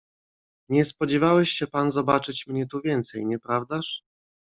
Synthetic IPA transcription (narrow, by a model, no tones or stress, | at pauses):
ɲɛspɔd͡ʑɛvawɛɕɕɛpanzɔbat͡ʂɘt͡ɕmɲɛt̪uvʲjɛnt̪sɛjɲɛpɾavd̪aʂ